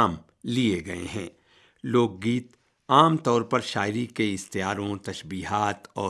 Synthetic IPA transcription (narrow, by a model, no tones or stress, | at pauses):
m | lieɡɐḛɦɛ̃ː | loːɡ̚ːiːt̪ | aːmt̪ɔːɾpɐɾʃaːɪɾikeɪst̪ijaːɾõt̪ɐʃbiːɦaːt̪ɔː